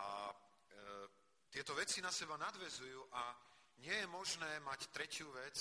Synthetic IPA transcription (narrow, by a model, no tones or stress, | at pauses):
ʔa | t̪ɪɛt̪ɔʋɛt͡sinasɛbanad̪ʋɛzujuːʔa | ɲɪɛjɛmɔʒnɛːmact̪ɾɛcɪuːʋɛt͡s